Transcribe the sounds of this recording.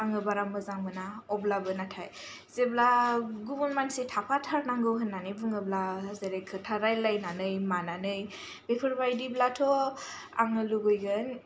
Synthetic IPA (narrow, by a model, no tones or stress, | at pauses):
aŋɯbaɾamɯzaŋmɯnaɔblabɯnatʰaj | zeblaɡubunmansetʰapʰatʰaɾnaŋɡɯwɦɯnːanɯjbɯŋɯblazeɾekʰɯtʰaɾajlajnanɯjmananɯj | bepʰɯɾbajdiblatʰɔ | a̰ŋɯluɡɯjɡɯn